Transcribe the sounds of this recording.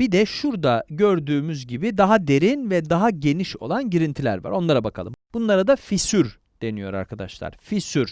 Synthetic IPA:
bid̪ɛʃuɾd̪aɟøɾd̪yːmyzɟibid̪aɦad̪e̞ɾinvɛd̪aɦaɟe̞niʃo̞̰lˠanɟiɾint̪ʰilʲæ̰ɾva̰ɾo̞nˠaɾabakʰa̰lˠɯmb̥unlˠaɾad̪afisyɾ | d̪̥e̞nijo̞ɾa̰ɾkʰad̪a̰ʃlˠa̰ɾ̥fisyɾ

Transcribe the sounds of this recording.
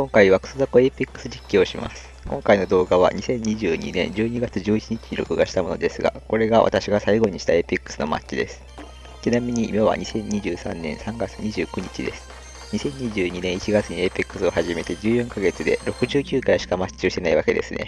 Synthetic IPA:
kõ̞ŋkaiβakɯ̥sozakoepʲikːɯ̥sɨd͡ʑikʲːoːɕimʔa̰sɨ̥kõ̞ŋkaino̞d̪o̞ːɡaβa̰ɲ̟isẽ̞ɲɲːiʑɨːɲ̟ḭnẽ̞̰ɲd͡ʑɨːɲ̟iɡat͡sɨʑɨːit͡ɕiɲ̟it͡ɕi̥ɲiɾo̞̰kɯ̟ɡaɕi̥t̪amo̞nod̪e̞sɨɡa̰ko̞ɾe̞ɡaβʔa̰t̪aɕiɡasaiɡo̞ɲ̟iɕi̥t̪aepʲikːɯ̥sɨno̞̰ma̰tɕid̪e̞sɨ̥ | t̪enamʲiɲ̟iʔːmaβa̰ɲ̟isẽ̞ɲɲʲːiʑɨːsã̰nːẽ̞ɰ̃sãŋɡat͡sɨɲ̟iʑɨ̰ːkɯ̟ɲ̟it͡ɕid̪esɨ̥ | ɲ̟isẽ̞ɲ̟ɲiʑɨːɲ̟inẽ̞ɰ̃it͡ɕiɡat͡sɨɲ̟iepʲikːɯ̟̥sɨo̞haʑime̞t̪e̞d͡ʑɨːjõ̞ŋkaɡe̞t͡sɨd̪e̞̰ɾo̞kɯ̟ʑɨːkʲɨːkaɾaɕi̥kamat͡ɕt͡ɕːio̞ɕt̪e̞naiβake̞d̪e̞̰sɨne̞̰

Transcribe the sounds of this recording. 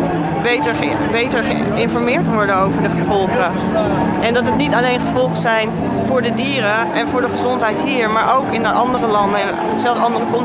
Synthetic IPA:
bejtəɹ | bejtəɹχə̰ | ɪnfɔɹmɪːɹtʋɔɹdənowvəɹdəχəvɔlˠχə | ʔɛndɑtətnitɑlejnχəvɔlˠχəzɛjn | vʊːɹdədiːɾə | ʔɛnvʊːɹdəχəzɔntɦɛjtɦiːɹmaːɹʔowkɪnəʔɑndərəlɑndə | z̥ɛlˠsɑndərəkɔn

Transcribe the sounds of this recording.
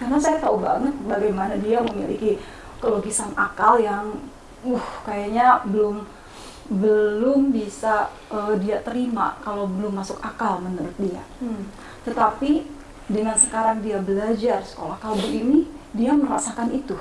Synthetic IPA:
karnasajat̪aubaŋət̪̚baɡajmanadiaməmḭlḭki | kəloɡisana̰kaljaŋ | uhkajaɲabəlʊm | bəlʊmbisa | ʔədiat̪əɾima̰kalawbəlʊmːasʊkakalmənəɾʊt̪̚dia̰ | t̪ət̪api | dəŋansəkaɾaŋdiabəlad͡ʒarsə̥kolahkabuinidiaməɾa̰sakanit̪u

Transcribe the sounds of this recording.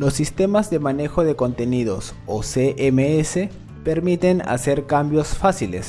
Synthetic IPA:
losːist̪e̞mazðe̞mane̞xo̞ðe̞ko̞nt̪e̞niðo̞̰s | oseʔemeese | pe̞ɾmit̪e̞na̰se̞ɾkambjo̞sfasilḛs

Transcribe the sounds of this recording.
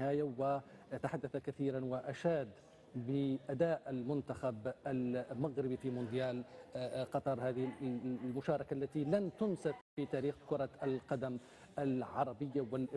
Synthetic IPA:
haːjawɪt̪aħad̪ːaθakaθiːɾanwɪʔaʃaːd̪ | bɪʔad̪aːʔalmʊnt̪axabʔalmaɣɾɪbifimʊnd̪ɪjaːlqɑt̪ˤɑɾˤhaːðɪlmʊʃɑːɾˤɑkaʔlːat̪ilant̪ʊnsaffit̪aːɾiːxkʊɾˤɑʔalqɑd̪am | ʔalʕɑɾˤɑbɪjːawɪlʔɪ

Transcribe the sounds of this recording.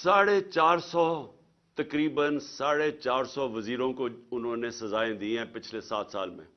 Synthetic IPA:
saːɽet͡ʃaːɾsɔː | t̪əkɾiːbənsaːɽet͡ʃaːɾsɔːʋəziːɾõːkoʊnɦõːnẽsɐzaːẽːd̪iɛ̃ːpɪt͡ʃʰlesaːt̪sa̰ːlmḛ̃ː

